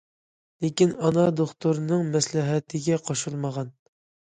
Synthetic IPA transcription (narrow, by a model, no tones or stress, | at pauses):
lekʲinɑnɑd̪oχt̪uɾnɨŋmɛslɪɦɛt̪ʰɪɡʲɛqʰoʃulˠməʁɑn